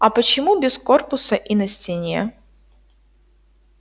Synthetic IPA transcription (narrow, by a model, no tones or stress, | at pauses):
ɐpət͡ɕɪmubʲɪsko̞rpʊsɐʔinɐsʲtʲɪnʲḛ